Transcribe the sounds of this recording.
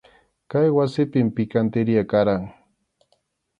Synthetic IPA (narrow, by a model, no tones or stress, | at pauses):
kajwasɪpɪmpɪkant̪ɪɾɪjakaɾaŋ